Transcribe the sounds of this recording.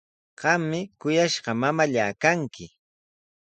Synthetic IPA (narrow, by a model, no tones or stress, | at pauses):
ɢ̥ɑmːɪkʊjaʃɢɑmamaʎaːkaŋkɪ